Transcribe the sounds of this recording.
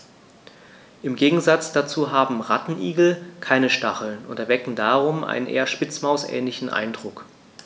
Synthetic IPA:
ʔɪmɡeːɡŋ̩zat͡sd̥at͡suːɦaːbm̩ʁatn̩ʔiːɡl̩kʰaɪnəʃtaχl̩nʊntɛɐvɛkŋ̩daːʁʊmʔa̰ɪnənʔḛːɐʃpɪt͡smaʊsʔɛ̰ːnlɪçn̩ʔa̰ɪndʁʊk

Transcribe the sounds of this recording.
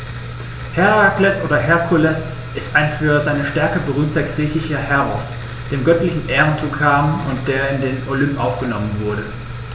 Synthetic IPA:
hɛʁaklɛsʔoːdɐɦɛɐkʰulɛs | ʔɪstʔaɪnfyːɐzaɪnəʃtɛɐkəbəʁyːmtɐɡʁiːçɪçɐhɛɐʁɔs | d̥eːmɡœtlɪçn̩ʔɛːʁənt͡suːkʰaːmʊnt̚d̥eːɐɪndeːnolʏmpʔaʊfɡ̥ənɔmənvʊɐɾə

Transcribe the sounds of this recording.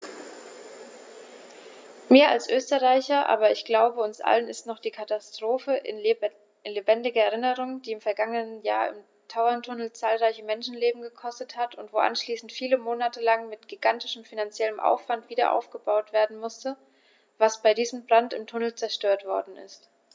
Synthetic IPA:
meːɐa̰lsʔøːstəʁaɪçɐʔa̰ːbɐɪçɡ̥laʊbəʊnsʔa̰lənɪstnɔχd̥iːkʰatastʁ̥oːfəʔɪ̰n | lebɛndɪɡɐɛʁɪnəʁ̞ʊŋd̥iːɪmfɛɐɡaŋənənjaːɐɪ̰m | tʰaʊɐntʰʊnl̩t͡saːlʁaɪçəmɛnʃn̩leːbm̩ɡəkʰɔstəthatʰʊntv̥oːʔa̰nʃliːsn̩tfiːləmoːnatʰəlaŋmɪtɡ̥iɡ̥antɪʃəmfinant͡sjɛləmʔa̰ʊfv̥antv̥iːdɐ̰ʔa̰ʊfɡ̥əbaʊtv̥eːɐdn̩mʊstə | vasb̥aɪdiːzəmbʁantɪmtʰʊnl̩t͡sɛɐʃtøːɐtv̥ɔɐdn̩ɪ̰st

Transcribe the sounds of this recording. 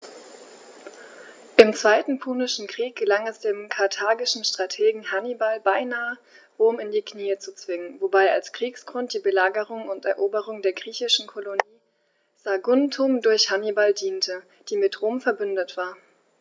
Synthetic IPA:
ʔɪmt͡sv̥aɪtn̩pʰuːnɪʃn̩kʁ̥iːk̚ɡ̥əlaŋɛsd̥eːmkʰaɐtʰaːɡɪʃn̩ʃtʁ̥atʰeːɡŋ̩hanibalbaɪnaːə | ʁoːmɪndiːkʰniːət͡sut͡sv̥ɪŋənvobaɪalskʁ̥iːksɡ̥ʁʊnt̚d̥iːbəlaːɡəʁʊŋʊntɛɐʔoːbəʁʊŋdeːɐɡʁiːçɪʃn̩kʰoloniː | z̥aɡʊntʰʊmdʊɐçhanibaldiːntʰə | d̥iːmɪtʁoːmfɛɐbʏndətv̥aːɐ

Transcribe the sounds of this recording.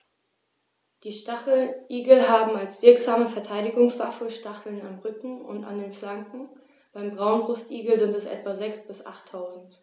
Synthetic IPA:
d̥iːʃtaχl̩ʔiːɡl̩ɦaːbm̩alsv̥ɪɐkz̥aːməfɛɐtʰaɪdɪɡʊŋsv̥afəʃtaχl̩namʁʏkŋ̩ʊ̰nta̰ndeːnflaŋkŋ̩ | b̥aɪmbʁaʊnbʁʊstʔiːɡl̩zɪntɛsʔɛ̰tv̥azɛksb̥ɪsʔa̰χtʰːaʊzn̩t

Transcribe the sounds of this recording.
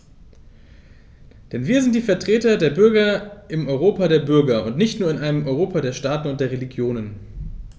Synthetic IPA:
d̥ɛnviːɐzɪnt̚d̥iːfɛɐtʁ̥eːtɐdeːɐbʏɐɡɐʔɪmɔʏʁ̞oːpadeːɐbʏɐɡɐʊntnɪçtnuːɐɪnʔaɪnəmʔɔʏʁoːpʰadeːɐʃtaːtn̩ʊnt̚d̥eːɐʁeliɡjoːnən

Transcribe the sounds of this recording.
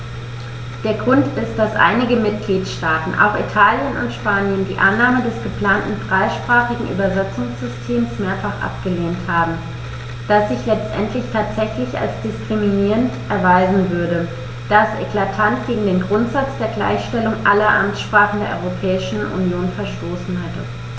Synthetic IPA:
d̥eːɐɡʁʊntɪst̚d̥asʔa̰ɪnɪɡəmɪt̚ɡ̥liːtʃtaːtn̩ʔa̰ʊxḭtʰaːljənʊ̰ntʃpaːnjəndiːʔanːaːmədɛsɡ̥əpl̥aːntn̩fʁ̥aɪʃpʁ̥aːχɪɡŋ̩ʔy̰ːbɐzɛt͡sʊŋsz̥ʏstʰeːmsmeːɐfaχʔa̰pɡ̥əleːnthaːbm̩ | d̥asz̥ɪçlɛt͡stʔɛntʰlɪçtʰaːtz̥ɛçlɪça̰lsd̥ɪskʁ̥iminiːʁəntʔɛɐvaɪzn̩vʏɐɾə | d̥asʔḛkl̥atʰantɡ̥eːɡŋ̩deːnɡʁʊntz̥at͡sd̥eːɐɡla̰ɪçʃtɛlʊŋʔalɐʔa̰mt͡sʃpʁ̥aːχn̩deːɐɔ̰ʁopʰɛːɪʃn̩ṵnjoːnfɛɐʃtoːsn̩hɛtə

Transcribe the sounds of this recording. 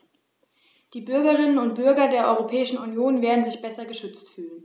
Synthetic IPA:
d̥iːbʏɐɡəʁɪnənʊnt̚b̥ʏɐɡɐdeːɐʔɔʏʁopʰɛːɪʃn̩unjoːnveːɐdn̩zɪçb̥ɛsɐɡəʃʏt͡stfyːlən

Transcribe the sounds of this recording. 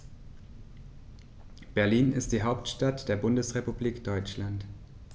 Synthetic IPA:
b̥ɛɐliːnɪst̚d̥iːɦaʊptʃtatd̥eːɐbʊndəsʁepubliːkd̥ɔʏt͡ʃlant

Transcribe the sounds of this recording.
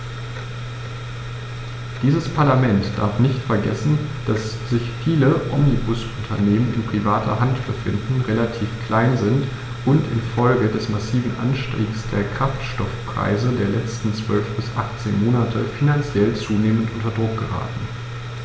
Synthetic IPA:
d̥iːzəspʰaɐlamɛntd̥a̰ɐfnɪçtfɛɐɡɛsn̩d̥asz̥ɪçfiːləʔɔ̰mnibʊsʔʊntʰɐneːmənɪnpʁ̥ivaːtʰɐ̰ɦantb̥əfɪ̰ndn̩ʁelatʰiːfkl̥aɪnzɪnt | ʔʊntɪ̰nfɔlɡədɛsmasiːvn̩ʔa̰nʃtʁḛːɡsd̥eːɐkʁ̥aftʃtɔfpʁ̥a̰ɪzədeːɐlɛt͡stn̩t͡sv̥œlfb̥ɪsʔaχt͡seːnmoːnatʰəfinant͡sjɛlt͡suːneːməntʔʊntɐdʁʊk̚ɡ̥əʁa̰ːtn̩

